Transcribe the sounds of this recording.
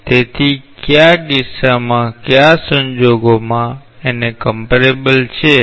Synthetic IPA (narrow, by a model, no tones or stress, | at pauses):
t̪et̪ʰikjaɡɪsːamãkjasəɲd͡ʒoɡomã | enekəmpəɾebəlt͡ʃʰe